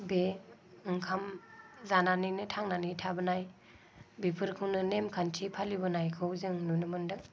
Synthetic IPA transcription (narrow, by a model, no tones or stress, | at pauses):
beɯŋkʰamzananinɯtʰaŋnanitʰabɯnaj | bipʰɯɾkʰɯwnɯnemkʰantʰipʰalibɯnajkʰɯwzɯŋnunɯmɯndɯ